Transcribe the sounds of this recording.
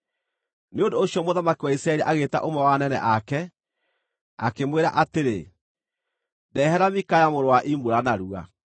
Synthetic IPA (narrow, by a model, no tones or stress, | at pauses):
neondoːɕjɔmoðamakiwaisɾaɛɾiʔaɣeta̰ʔomɛwanɛnɛ̰ʔakɛ | a̰kemweɾaʔateɾḛ | ndɛɦɛɾamikajamoɾowaʔimboɾanaɾua̰